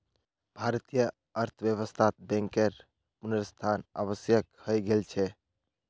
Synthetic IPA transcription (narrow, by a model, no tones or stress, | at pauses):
bʱaɾt̪ijə | əɾt̪ʰbjəβəst̪ʰat̪̚bɛ̃ŋkeɾ | punəɾst̪ʰana̰bəsjəkhəjɡelt͡ʃʰɛ